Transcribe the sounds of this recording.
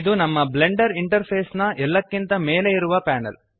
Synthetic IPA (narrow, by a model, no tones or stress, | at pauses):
d̪unɐmːɐbleɳɖɐɾiɳʈɐɾpʰeːsnɐʔɛlːɐkːint̪ɐmeːleiɾuʋɐpaːnɐ̰l